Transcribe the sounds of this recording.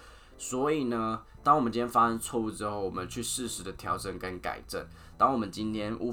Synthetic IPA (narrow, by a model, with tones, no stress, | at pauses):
swɔ˧˥i˨˩nə˦t̪ɑ˥ŋwə˦nt͡ɕi˦njʲɛ˥n˥fa˥ʂə˥nt͡sʰwɔ˥˧u˥˩ʈ͡ʂɻ̩˥xo˥˩ʊwɔ˨˩mə˦nt͡ɕʰy˥˧ʂɻ̩˥˩ʂɻ̩˧˥˦d̪ə˨t̪ʰjɑ˧˥ʊʈ͡ʂə˨˩nkə˦nka̰˨˩ɪʈ͡ʂə̰˥˩n | t̪ɑ˥ŋwɔ˨mə˦nt͡ɕi˥nt̪ʰjɛ˥nʔṵ˥